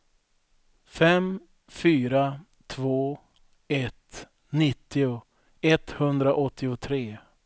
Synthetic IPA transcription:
fɛm | fyːɾa | t̪ʰvoː | ɛt̪ | nɪt̪ːɪʊ | ɛt̪hɵnd̪ɾaʔɔt̪ʰːɪʊt̪ʰɾeː

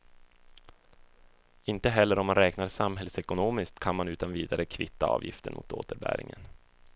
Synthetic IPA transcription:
ɪnt̪əɦɛlːəɾɔmːanɾɛːknaɾsamɦɛlsɛkʊnoːmɪskt̪kʰanmanʉ̟ːt̪anviːd̪aɾəkʰvɪt̪ːaɑ̰ːvjɪft̪əɳmʊ̰t̪o̰ːt̪əɾbæ̰ːɾʔɪ̰ŋə̰n

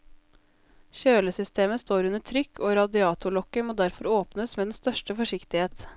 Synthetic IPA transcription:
çøːləsʏst̪ʰeːməst̪oːɾʉnətʰɾʏkʰːoːɾɑd̪ɪɑːt̪ʊlɔkəmoːd̪æɾfɔɾoːpnəsmeːd̪ɛn̩st̪œʃʈəfɔʂɪkt̪ɪheːt̪

